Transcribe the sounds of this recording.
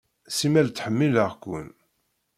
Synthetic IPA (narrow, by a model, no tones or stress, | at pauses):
simælt͡sːħəmːiləʁkʷṵn